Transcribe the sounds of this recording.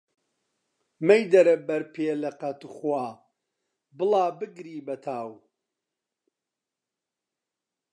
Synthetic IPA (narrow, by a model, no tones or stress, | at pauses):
mɐjd̪ɐɾɐbɐɾpʰeːlɐqɐt̪uχwaː | bɨlaːbɨɡɾiːbɐt̪ʰaːw